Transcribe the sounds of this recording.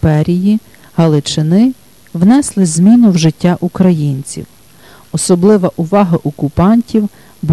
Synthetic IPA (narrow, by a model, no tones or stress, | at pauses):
pɛɾʲiji | hɐlˠɪt͡ʃɪnɪ | wnɛslˠɪzʲmʲinʊwʒɪtʲːaʔukɾɐjinʲt͡sʲḭw | ɔsɔblˠɪʋɐʔʊʋɑɦɐʔɔkʊpɑnʲtʲiw | b